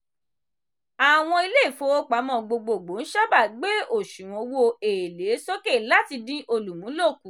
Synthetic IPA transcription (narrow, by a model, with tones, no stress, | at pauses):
a˨w̃ɔ̃˧i˧le˦˨fo˧˦o˦k͡pa˨˦mɔ̃˧˨ɡ͡bo˧˨ɡ͡bo˨ɡ͡bo˨˦n̩˦ʃa˦ba˦˨ɡ͡be˦o˨ʃũ˨w̃ɔ̃˨˧wo˧e˨le˨˦so˦ke˦˨la˦ti˧dĩ˦ʔo˧lu˨mũ˨˦lo˦˨ku˨